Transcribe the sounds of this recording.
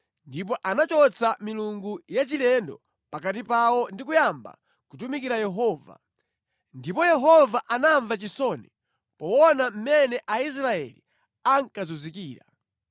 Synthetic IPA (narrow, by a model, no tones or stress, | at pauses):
ndip̬ɔʔanat͡ʃɔt͡sʰamiluŋɡujat͡ʃilɛndɔ̰ | pakat̬ipawɔndikujamba̰ | kutumikiɾajɛɦɔːva̰ | ndipɔjɛɦɔvaʔanaɱvat͡ʃisɔni | pɔwɔnam̩mɛnɛʔais̬ɾaɛ̰li | aŋkazuzikiːɾa̰